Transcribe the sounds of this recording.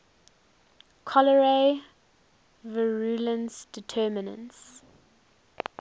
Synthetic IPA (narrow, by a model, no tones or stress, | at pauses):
kʰɔləɹe | vəɹulə̃nsd̥ɪtʰɛːmɪnə̰̃ns